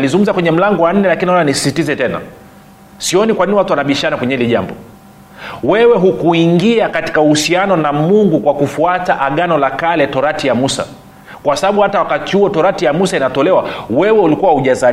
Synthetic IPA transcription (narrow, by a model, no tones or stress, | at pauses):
nalizuŋɡum̩zakwɛɲɛm̩laŋɡɔwan̩nːɛlakininaɔnanisi̥sitizɛtɛna̰ | siɔnikwaniniwatuwanaɓiʃanakwɛɲɛhiliʄa̰mbɔ̰ | wɛwɛɦukuiŋɡiakati̥kauhusianɔnamuŋɡukwakufuataʔaɠanɔlakalɛtɔɾatijamusa̰ | kwasaɓaɓuhatawakatihuɔtɔɾatijamusainatɔlɛwawɛwɛulikuwahuʄaza